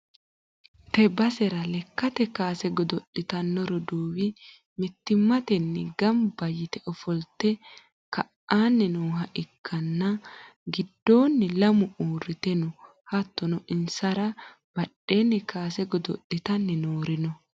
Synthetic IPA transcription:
t̪ɛbɐsɛɾɐlɛkːɐt̪ɛkaːsɛɡɔd̪ɔɗːɪt̪ɐnːɔɾɔd̪oːwɪ | mɪt̪ːɪmːɐt̪ɛnːɪɡɐmbɐjɪt̪ɛʔɔfɔlt̪ɛ | kɐʔaːnːɪnuːɦɐʔɪkʰːɐnːɐɡɪd̪ːo̞ːnːɪlɐmʊʔuːrːɪt̪ɛnʊ | hɐt̪ːɔnɔʔɪnsɐɾɐ | b̥ɐɗe̞ːnːɪkaːsɛɡɔd̪ɔᶑːɪt̪ɐnːɪnoːɾɪnɔ

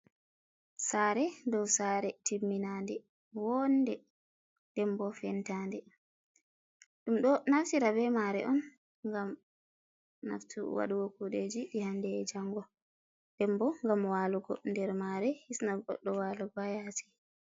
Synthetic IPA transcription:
saːɾɛdɔwsaɾɛtimːinandɛ | wɔndɛ | dɛmbɔfɛntandɛ | ɗumɗɔnaftiɾabɛmaɾɛ̰ʔɔn | ŋɡam | na̰ftṵwa̰ɗuwokuɗed͡ʒiɗihandɛd͡ʒaŋɡɔ | dɛmbɔŋɡamwaluɡɔ̰ndɛɾmaɾɛhisnaɡɔ̰ɗːɔwaːlɔɡajati̥

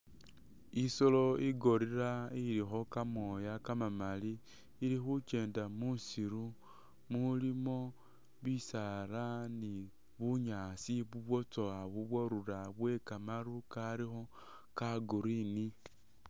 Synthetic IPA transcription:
isoloiɡoɾiɾaiɾixokamojakamamaliː | ɾixut͡ʃe̞ːndamusiɾu | mulimo̞ | βisaɾani | βuɲaːsiβuβwot͡soaβuβwoɾuɾaβwe̞kamaɾukaɾixo | kaɡuɾini

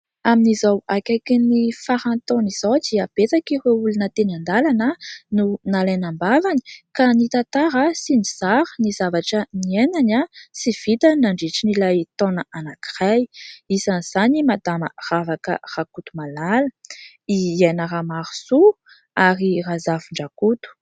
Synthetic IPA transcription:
aminizawakʲajkinifaɾãnt̪oniz̥owd̪iab̥et͡sakireulunət̪enand̪alanənunalajnambavani̥kanit̪at̪aɾəsinizaɾənizavaʈ͡ʂənienanasiv̥it̪ənaɳɖ͡ʐiʈ͡ʂinilajt̪onəanakirajisanz̥animad̪amə̰ravakə̰rakut̪umalalə | ienəramaɾu̥su | aɾirazavuɳɖ͡ʐakut̪u̥

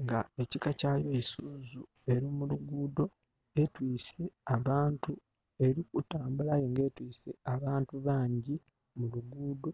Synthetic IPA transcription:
ŋɡae̞cikacaljosuːzu | e̞ɾimuluɡuːdo̞ | e̞twiːse̞aβaːntu | e̞ɾikutaːmbulajoŋɡe̞ːtwiːseaβaːntuβaːɲɟi | muluɡuːdo̞

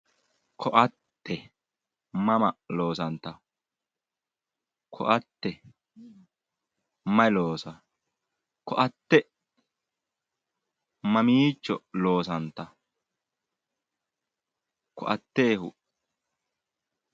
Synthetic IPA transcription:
kʰɔʔɐt̪ːɛ | mɐmɐlo̞ːsɐnt̪ɐ | kʰɔ̰ʔɐt̪ːɛ | mɐɪloːsɐ | kɔʔɐt̪ːɛ | mɐmiːt͡ʃːɔloːs̬ɐnt̪ɐ | kʰɔʔɐt̪ːe̞ːhʊ

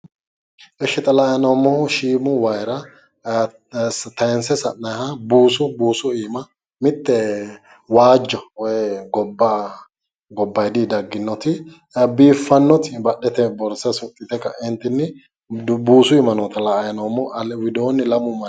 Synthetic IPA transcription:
ʔɛʃːɪt̪ʼɐlaːjɐnɔmːɔʃiːmʊwɐjɾɐ | t̪ɐɛnsɛsɐnːɐjhɐbuːsʊbuːsʊiːmɐ | mɪt̪ːɛ | waːd͡ʒːɔwɔjɛɡɔbːa | ɡɔbːɐjd̪id̪ɐɡːɪnːɔt̪ɪ | biːfːɐnːɔt̪ɪbɐɗɛt̪ɛbɔɾsɛsʊt̪ʼːɪt̪ɛkːɐɪnt̪ɪnːɪ | buːsʊɪmɐnɔt̪ɐlɐjɐnɔmːɔʔɐwɪd̪oːnːɪlɐmʊmɐ

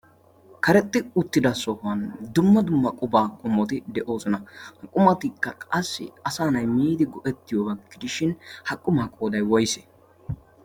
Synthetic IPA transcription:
kɐɾɛt̪ʼːɪʊt̪ːɪd̪ɐsɔhʊɐnd̪ʊmːɐd̪ʊmːɐkʼʊbaːkʼʊmːɔt̪ɪd̪ɛʔo̞ːsɔnɐhɐkʼʊmɐt̪ɪkːɐkʼɐsːɪ̰ɐsaːnɐjmiːd̪ɪɡɔʔɛt̪ːɪjoːbɐɡːɪd̪ɪʃɪnhɐkʼːʊmaːkʼoːd̪ɐjwɔjsɛ̥

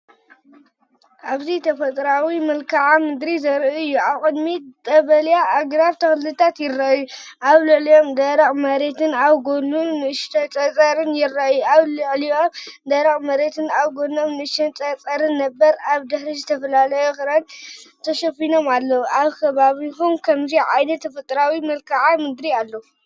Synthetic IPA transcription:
ʔaβzit̪ʰɐfɐt̪ʼɾawimɨlkʰaʕamɨd̪ɾizɐɾuɨjːuaβkʼɨd̪mit̪ʼɐβɐljaʔːɡɾaβt̪ʰɐxlːɨt̪ʰat̪jɪrːajuʔaβlɨʕlio̞md̪ɐɾɐχʼmɐɾe̞t̪ʰɨnaβɡo̞numnɨʃt̪ɐt͡sʼɐt͡sʼɐɾɨnjɪrːajuaβlɨʕlijo̞md̪ɐɾɐχʼmɐɾet̪ʰɨnaβɡo̞nomnɨɨʃɐnt͡sʼɐt͡sʼɐɾɨnːɐbːɐɾaβd̪ɨħɾizɨt̪ʰɐfɐlalɐjoxɨɾɐnt̪ʰɐʃɐfino̞malːɐwuʔaβkʰɐβaβiɦumkʰɐmziʕajnɐt̪ʰːɐfɨt̪ʼɾawimɐlkʰaʕamɨd̪ɾialːɐu

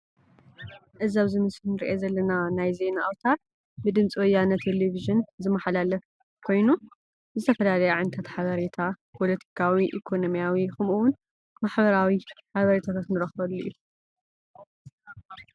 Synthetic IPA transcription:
ʔɨzaβzɨmɨsɨnɨɾʔezɐlːɐnanajze̞naʔwt̪ʰaɾ | bɨd̪ɨmt͡sʼiwɔjːanɐt̪ʰeleviʒɨnzɨmaħlalɐf | kʰo̞jnu | zɨt̪ʰɐfɐlalɐjuʕɨnt̪ʰɐt̪ħaβɐɾet̪ʰa | pʰolɐt̪ʰi̥kʰawiʔḭkʰo̞no̞mijawixɨmuwʊn | maħbɐɾawiħaβɐɾet̪ʰat̪ʰat̪nɨɾɐxbɐlːuʔju

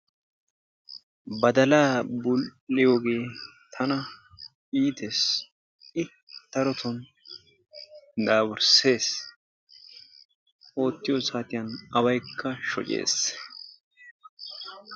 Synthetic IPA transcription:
bɐd̪ɐlaːbʊlːɪjoːɡe̞ːt̪ʰɐnɐ | iːt̪es | ɪ | t̪ːɐɾɔt̪ʰɔn | d̪aːbʊɾse̞ːs | ʔo̞ːt̪ːɪjosaːt̪ɪjɐnɐwɐjkʰːɐʃɔ̰t͡ʃʼḛːs

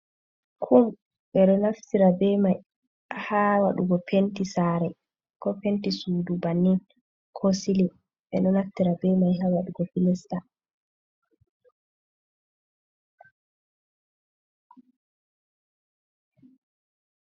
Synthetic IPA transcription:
kʰum | ɓɛɗɔnaftiɾabɛmaj | hawaɗuɡɔpʰentisaɾɛ | kɔpentisudubanːin | kʰɔsili | ɓɛɗɔnaftiɾabɛmajɦawaɗuɡɔfilɛsta

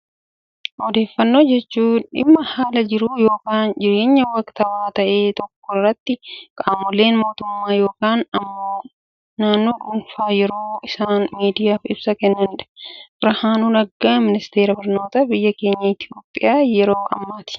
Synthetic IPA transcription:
ʔɔd̪e̞ːfːɐnːo̞ːd͡ʒɛt͡ʃːuːᶑɪ̰mːɐhaːlɐd͡ʒɪɾuːjo̞ːkaːnd͡ʒɪɾe̞ːɲːɐwɐkt̪ɐwaːt̪ɐʔe̞ːt̪ɔkːɔrːɐt̪ːɪkʼaːmɔle̞ːnmo̞ːt̪ʊmːaːjo̞ːkaːnɐmːoː | naːnːoːɡʊnfaːjɛɾoːɪsaːnmiːd̪ɪjaːfɪbsɐkɛnːɐnᶑɐ̥bɪɾɐhaːnuːnɐɡːaːmɪnɪst̪e̞ːɾɐbɐɾno̞ːt̪ɐbɪjːɐke̞ːɲːɐɪt̪ʰjoːpʼːɪjaːjɛɾoːɐ̰mːaːt̪ɪ̥

